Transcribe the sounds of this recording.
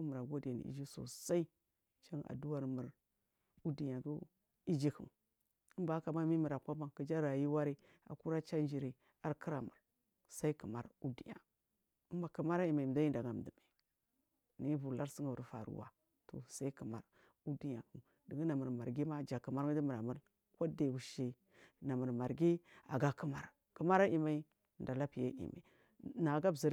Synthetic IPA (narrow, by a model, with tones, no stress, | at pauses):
u˦mu˨ɾa˨ɡo˦dja˨n̰˨ḭ˦d͡ʒi˦so̰˨sa˦i˦ | t͡ʃa˦ŋ˨a̰˨du˦wa˦ɾmə˨ɾ | u˦di˨ɲa˨ɡu˦ | i˦d͡ʒi˦kṵ˨m | ə˦mba˨˦ka˨ma˦mi˦mi˨ɾa˨kʷa˦ba˨ŋkə˨d͡ʒa˦ɾa˨ji˦wa˦ɾi˦ | a̰˨ku˦ɾa˦t͡ʃa˦n˦d͡ʒi˨ɾi˨ | a˨ɾki˦ɾa˨mu˨ɾ | sa˦i˦kə˨ma˦ɾu˦dḭ˨ja̰˨ | ə˦mba˨kə˨ma˦ɾa˦i˨ma˨da˦ji˦nda˨ɡa˨m˨di˨ma˨ | ni˦vu˨la˦ɾsi˦ŋa˨u˨ɾfa̰˨ɾṵ˦wa̰˨ | to̰˨sa˦i˦ku˨ma̰˨ɾ | u˦di˦ja˨u˨ | di˨ɡi˦na˨mə˨ɾma˨ɾɡi˦ma˦˨d͡ʒa˨kə˨ma˦ɾŋi˦di˦mə˨ɾa˨mu˦l | kʷo˦de˨wu˨ʃe˦ | na˨mə˨ɾma˨ɾɡi˦a̰˨ɡa˦kə˦ma̰˨ɾ | kə˦ma˦ɾa˦ʔi˨ma˨i˦˨ | nda˨la˦pi˨ja̰˦ʔḭ˨ma̰˨ | na˨ɡa˦bzi˨ɾ